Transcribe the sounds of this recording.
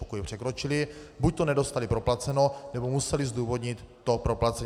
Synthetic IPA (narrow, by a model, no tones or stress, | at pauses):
okujpr̝̥ɛkɾot͡ʃɪlɪbuc̚t̪onɛdo̞st̪alipɾo̞plat͡sɛno̞nɛbomusɛlizd̪uːvo̞d̪ɲɪt̪ːo̞pɾo̞plat͡sɛɲ